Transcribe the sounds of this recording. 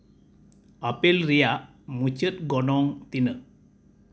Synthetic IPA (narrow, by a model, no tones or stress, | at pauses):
apilɾijaʔ | mut͡ʃət̪̚ɡɔnɔŋt̪inəʔ